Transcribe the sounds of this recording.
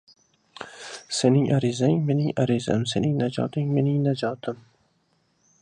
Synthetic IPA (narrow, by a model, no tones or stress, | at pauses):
se̞nɪŋʔaɾɪzaŋme̞nɪŋaɾiza̰mse̞nɪŋnad͡ʒɒ̰t̪ʰɪŋme̞nɪŋnad͡ʒɒːt̪ʰɪm